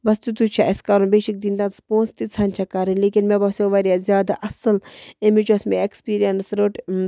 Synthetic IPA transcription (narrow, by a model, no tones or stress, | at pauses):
bɐst̪ut̪ut͡ʃʰaʔɐskaːɾunbeːʃik̚d̪iːnd̪ãspõːnst̪it͡sʰaːnʲt͡ʃʰɐkaːɾinʲleːkinmebɐsoʋɐɾjazʲjaːd̪aʔɐsəlemit͡ʃosmeekspiːɾijɐnsɾoʈ